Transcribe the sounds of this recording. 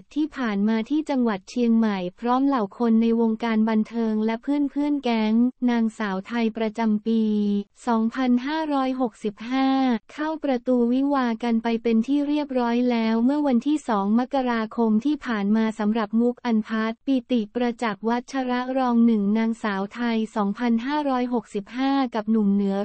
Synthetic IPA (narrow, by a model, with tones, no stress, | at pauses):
t̪ʰiː˥˩pʰaː˨˩nmaː˧t̪ʰiː˥˩t͡ɕa˧ŋwa˨˩t̪̚t͡ɕʰi˧əŋma˨˩jpʰɾɔː˦˥mla˨˩wkʰo˧nːa˧jwo˧ŋkaː˧nba˧nt̪ʰɤː˧ŋlɛ˦˥pʰɯː˥˩ənpʰɯː˥˩ənkɛ˦˥ŋnaː˧ŋsaː˩˦wt̪ʰa˧jpɾa˧t͡ɕa˧mpiː˧sɔː˩˦ŋpʰa˧nɦaː˥˩ɾɔː˦˥jɦo˨˩k̚si˨˩p̚haː˥˩kʰa˥˩wpɾa˧t̪uː˧wi˦˥waː˧ka˧npa˧jpe˧nt̪ʰiː˥˩ɾi˥˩əp̚ɾɔː˦˥jlɛː˦˥wmɯ˥˩əwa˧nt̪ʰiː˥˩sɔː˩˦ŋma˦˥kːa˧ɾaː˧kʰo˧mt̪ʰiː˥˩pʰaː˨˩nmaː˧sa˩˦mɾa˨˩p̚mu˦˥k̚ʔa˧npʰa˦˥t̪̚pi˨˩t̪i˨˩pɾa˧t͡ɕa˨˩k̚wa˦˥t̪̚t͡ɕʰa˧ɾa˦˥ɾɔː˧ŋnɯ˨˩ŋnaː˧ŋsaː˩˦wt̪ʰa˧jsɔː˩˦ŋpʰa˧nɦaː˥˩ɾɔː˦˥jɦo˨˩k̚si˨˩p̚haː˥˩ka˨˩p̚nu˨˩mnɯ˩˦ə